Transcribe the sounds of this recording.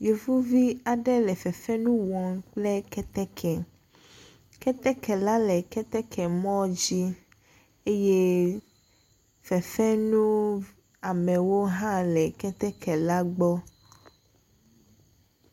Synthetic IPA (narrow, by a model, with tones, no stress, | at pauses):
jo˨vu˦vi˦a˨ɖɛ˦lɛ˨fɛ˨fɛ˦nũ˦wɔ̃˨ŋk͡plɛ˦kɛ˦t̪ɛ˦kʰɛ˨ | kɛ˦t̪ɛ˦kʰɛ˨la˦lɛ˨kɛ˦t̪ɛ˦kʰɛ˨mɔ̃˦d͡ʑi˦ | e˦je˦ | fɛ˨fɛ˦nũ˦ | a˨mɛ̃˨wo˦ɦã˦lɛ˨kɛ˦t̪ɛ˦kʰɛ˨la˦ɡ͡bɔ˦